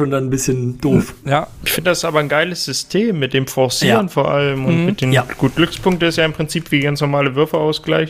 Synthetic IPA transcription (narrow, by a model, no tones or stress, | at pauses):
oːndanbɪsçənd̥oːfjaːɪçfɪndədasɪsʔaːbɐnɡaɪləsz̥ʏstʰeːmːɪt̚d̥eːmfɔɐsiːʁənfoːɐʔaləmʊnmɪt̚d̥eːnɡ̥uːt̚ɡ̥lʏkspʰʊŋk̚təɪstjaːɪmpʁ̥ɪnt͡siːpv̥iːɡant͡snɔɐmaːləvʏɐfəʔaʊsɡ̥laɪç